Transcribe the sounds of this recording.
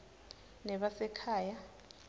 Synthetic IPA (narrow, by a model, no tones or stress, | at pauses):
nɛɓasɛkʰaːja